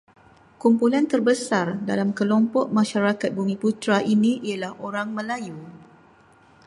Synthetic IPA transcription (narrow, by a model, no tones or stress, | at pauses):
kumpulant̪ərbəsardalamkəlɔmpɔʔ̚mãʃaɾakat̪̚bumĩput̪ɾaʔinĩijalahʔoɾaŋmə̃laju